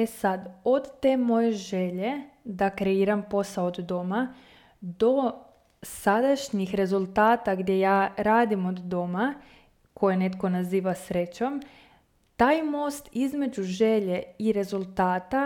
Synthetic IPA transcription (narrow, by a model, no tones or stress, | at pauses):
e̞sad̪o̞d̪t̪ːe̞ːmo̞je̞ʒe̞ʎe̞d̪akɾe̞iːɾampo̞saoːd̪ːo̞ma | d̪o̞ | sad̪aʃɲixɾe̞zulˠt̪aːt̪aɡd̪je̞jaːɾaːd̪imo̞d̪ːo̞ma | kʰo̞jene̞t̪ko̞naziːʋasɾe̞t͡ɕo̞m | t̪aːjmo̞ːst̪izme̞d͡ʒuʒeʎe̞iɾe̞zulˠt̪aːt̪a